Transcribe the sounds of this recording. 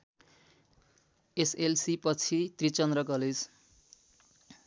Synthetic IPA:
eselsipʌt͡sʰit̪rit͡sʌnd̪rʌɡʌlis

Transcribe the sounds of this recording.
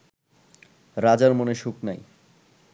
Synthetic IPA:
ɾad͡ʑaɾmoneʃuknaj

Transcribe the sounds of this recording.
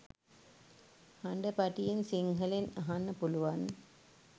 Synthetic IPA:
hɐɳɖəpɐʈijensiŋɦɐlenɐɦanːɐpuluʋan

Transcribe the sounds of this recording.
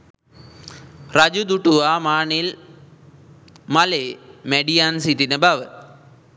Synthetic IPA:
rɐd͡ʑud̪uʈːuʋamaːɳil | mɐlemeɖijaːnsit̪inɨbaʋɨ

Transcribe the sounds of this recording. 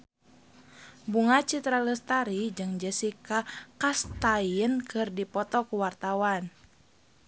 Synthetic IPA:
buŋat͡ʃit̪ɾaləst̪aɾid͡ʒɨŋd͡ʒəsikakast̪ajənkʰɨrdipɔt̪ɔkuwart̪awan

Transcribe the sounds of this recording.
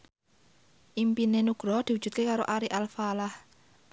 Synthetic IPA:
ʔimpinenuɡ̥ɾɔd̪̥iwudd͡ʒ̥ṳt̪̚kekaɾoʔaɾiʔalfalah

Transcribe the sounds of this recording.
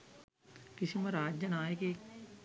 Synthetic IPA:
kɪsimɐɾaːd͡ʒjənaːeke

